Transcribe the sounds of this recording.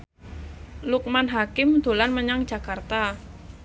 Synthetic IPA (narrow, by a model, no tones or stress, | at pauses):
luk̚manɦakɪmd̪̥o̤lanməɲaŋd̥ʒ̥a̤kart̪a